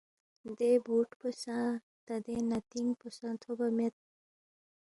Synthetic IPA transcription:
d̪ebʱuʈpəsãː | t̪ɐd̪enat̪iŋpəsãt̪ʰobamet̪̚

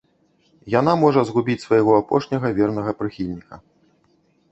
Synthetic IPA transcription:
jan̪amɔʐɐzɣubʲit͡sʲsvɐjɣɔapɔ̰ʂnʲɐɣɐvʲɛrn̪ɐɣɐpɾɨxʲilʲnʲikɐ

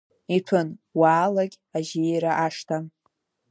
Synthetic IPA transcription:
itʰʊnwaːlaɡʲ | aʒejɾaʔaʂtʰa

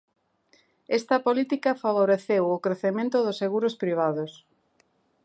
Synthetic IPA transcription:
est̪ɐpolit̪ikɐfaβoɾeθewokɾeθemẽnt̪ʊðʊseɣuɾʊspɾiβ̞aðos

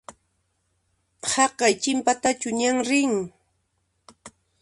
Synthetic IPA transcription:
hɑqɑjt͡ʃɪmpat̪at͡ʃʊɲaŋɾɪŋ

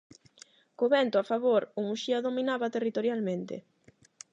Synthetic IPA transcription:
koβɛnt̪ʊafaβoɾʊmuʃiaðominaβat̪erit̪oɾjalmẽnt̪ɪ̰

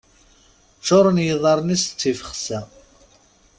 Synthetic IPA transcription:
t͡ʃːoɾˤənjəðˤɑɾˤnist͡sːifəχsæ

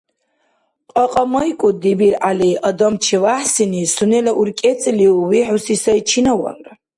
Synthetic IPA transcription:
qʼaqʼamɐjkʼʊdibirʔalijʔadamt͡ʃʰivaħsinisunelaʔurkʲʼet͡sʼliwiħusisait͡ʃʰinawa̰nra

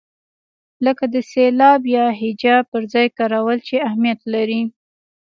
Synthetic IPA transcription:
ləkad̪əselɑbjɑɦɪd͡ʒɑb̚pəɾzɑjkɑɾawəlt͡ʃeahmijat̪laɾi

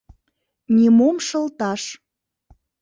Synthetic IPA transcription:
nʲimomʃə̆lt̪ɑʃ

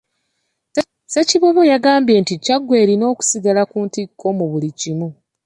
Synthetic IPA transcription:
se̞ciβoβojaɡaːmbje̞nticaɡːwe̞ːɾino̞ːku̥siɡalakuːntikʰːo̞muβulicimu

